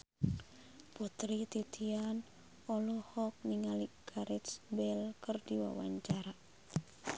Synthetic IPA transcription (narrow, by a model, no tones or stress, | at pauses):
put̪ɾit̪it̪ʰian | ɔlɔhɔk̚niŋaliʔɡ̥aɾɛt̪sbɛlkərdiwa̰wa̰ɲt͡ʃaɾa